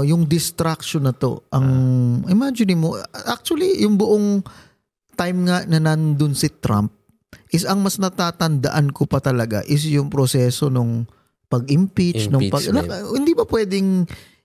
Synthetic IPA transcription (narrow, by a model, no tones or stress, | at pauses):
jʊŋd̪ɪst̪ɾak̚ʃonːɐt̪o̞̰ʔɐŋɪmad͡ʒɪnɪmoʔak̚t͡ʃʊɐlijʊŋbʊʔoŋ | t̪ajmŋanɐnɐnd̪ʊnsɪt̪ɾa̰mp̚ | ʔɪsɐŋmɐsnɐt̪aːt̪ɐnd̪ɐ̰ʔankopɐt̪ɐlɐɡa̰ʔɪs̬jʊŋpɾosɛːso̞noŋ | pɐɡʔɪmpit͡ʃt͡ʃnoŋpɐɡnɐhɪnd̪ibɐpwɛːd̪ɪŋ